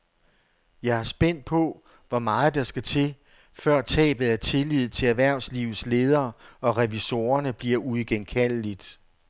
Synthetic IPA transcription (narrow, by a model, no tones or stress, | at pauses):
jɑ̈ɪhɑ̈sb̥en̰d̥̚pʰɔ̽ | ʋɒmɑ̈ːð̩ˠd̥ɑ̈sɡ̥æt͡sʰe̝ | fɶɐ̰t͡sʰɛ̰ːb̥l̩ˠæɐt͡sʰe̝lið̞̰̩ˠt͡sʰe̝æʋæɐ̰ʊsliːʊð̞̩ˠsle̝ːð̞ˠɐːɒ̽ʁɛʋiso̝ːɐnəb̥liɐ̰ʔuðˠɡ̥enkʰæl̰lid̥